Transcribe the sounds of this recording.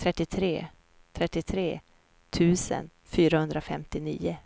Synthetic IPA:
t̪ʰɾɛt̪ːɪt̪ʰɾḛː | t̪ʰɾɛt̪ːɪt̪ʰɾeː | t̪ʰʉ̟ːsə̰n | fyːɾahɵnd̪ɾafɛmt̪ɪnḭːʊ

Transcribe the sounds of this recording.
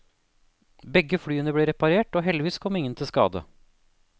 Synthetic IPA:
bɛɡəfɽyːənəbleːɾɛpɑɾeːʈoːɦɛld̪ɪʋiːskʰɔmːɪŋːənt̪ʰɪlskɑ̰ːd̪ə̰

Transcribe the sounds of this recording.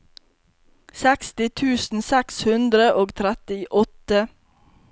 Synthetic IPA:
sɛkst̪ɪt̪ʰʉːsn̩sɛkshʉnd̪ɾəʔoːɡt̪ʰɾæt̪ɪʔɔt̪ə

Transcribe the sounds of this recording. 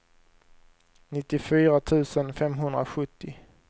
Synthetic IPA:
nɪt̪ːɪfyːɾat̪ʰʉ̟ːsənfɛmɦɵnd̪ɾa̰ɧɵt̪ʰːɪ

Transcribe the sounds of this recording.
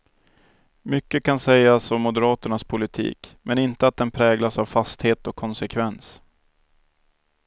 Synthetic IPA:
mʏkːəkansɛjːasɔmːʊd̪əɾɑːt̪əɳaspʰʊlɪt̪ʰḭːkmʔɛnɪnt̪əat̪̚d̪ɛnpʰɾɛːɡlasavfast̪heːt̪ɔkʰːɔnsɛkʰvɛns

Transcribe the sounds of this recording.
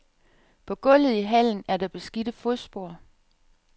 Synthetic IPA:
pʰɒ̽ɡ̥ɔ̽l̰ð̩ˠiɦæl̰n̩æɐd̥ɑ̈b̥e̝sɡ̥id̥əfosb̥o̝ɐ̰

